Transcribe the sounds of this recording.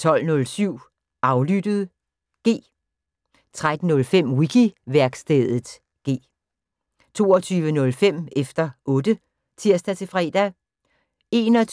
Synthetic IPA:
t͡sʰɒ̽l̰nɔ̽lsyʊ̰ | ʔɑ̈ʊlyd̥əð̞̩ˠ | ɡ̥e̝̰ː | t͡sʰʁad̥n̩nɔ̽lfem̰wiɡ̥ʰiʋæɐɡ̥sd̥eðˠð̩ˠ | ɡ̥e̝̰ː | t͡sʰo̝̰ːɒt͡sʰyːʋənɔ̽lfem̰efd̥ɐʔɔ̽ːd̥ə | t͡sʰiɐ̰sd̥æt͡sʰe̝fʁɛ̰ːd̥æ | e̝nɒ

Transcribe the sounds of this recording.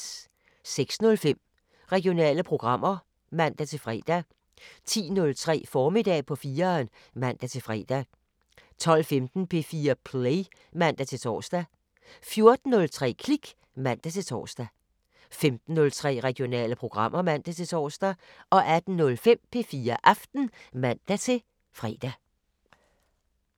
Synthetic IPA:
seɡ̥snɔ̽lfem̰ | ʁɛɡ̥ijo̝nɛ̰ːləpʰʁo̝ɡ̥ʁɑ̈m̰ɐ | mæn̰d̥æt͡sʰe̝lfʁɛ̰ːd̥æ | t͡sʰḭːnɔ̽lt͡sʰʁɛ̰ːfɒːmid̥ɛ̰ːpʰɒ̽fiːɐːn | mæn̰d̥æt͡sʰe̝lfʁɛ̰ːd̥æ | t͡sʰɒ̽l̰femd̥n̩pʰe̝fiːɐpʰleɪ | mæn̰d̥æt͡sʰe̝lt͡sʰɒ̰ːsd̥æ | fjo̝ɐd̥n̩ːɔ̽lt͡sʰʁɛ̰ːkʰliɡ̥ | mæn̰d̥æt͡sʰe̝t͡sʰɒ̰ːsd̥æ | femd̥n̩ːɔ̽lt͡sʰʁɛ̰ːʁɛɡ̥jo̝nɛ̰ːləpʰʁo̝ɡ̥ʁɑ̈m̰ʔɐmæn̰d̥æt͡sʰe̝t͡sʰɒ̰ːsd̥æɒ̽ʔæd̥n̩nɔ̽lfem̰pʰe̝fiːɐʔɑ̈fd̥n̩mæn̰d̥æt͡sʰe̝ | fʁɛ̰ːd̥æ

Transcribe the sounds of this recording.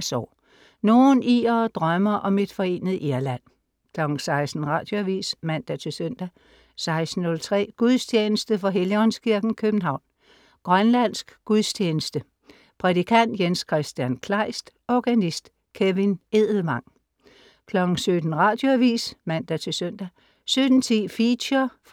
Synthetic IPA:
sɒ̰ː | no̝ːniːɐd̥ʁɶmɐʔɒ̽me̝d̥fɒ̽e̝̰ːnəð̩ˠʔiɐlæn̰ | kʰlɒ̽ɡ̥ŋ̩sɑ̈ɪsd̥n̩ʁɑ̈ːd̥jo̝æʋḭːsmæn̰d̥æt͡sʰe̝lsøn̰d̥æ | sɑ̈ɪsd̥n̩ːɔ̽lt͡sʰʁɛ̰ːɡ̥uðˠst͡ɕʰjeːnəsd̥əfɒ̽ɦeliɒ̽nskʰiɐɡ̥n̩kʰøb̥n̩ɦɑ̈ʊ̰n | ɡ̥ʁɶnlæn̰sɡ̥ɡ̥uðˠst͡ɕʰeːnəsd̥ə | pʰʁɛd̥ikʰæn̰d̥jenskʰʁɛsd̥jænkʰlɑ̈ɪsd̥ɒɡ̥ænisd̥ | kʰeʋine̝ð̰ˠl̩mɑ̈ŋ̰ | kʰlɒ̽ɡ̥n̩sød̥n̩ʁɑ̈d̥jo̝æʋḭːsmæn̰d̥æt͡sʰe̝lsøn̰d̥æ | sød̥n̩t͡sʰḭːfidɐf

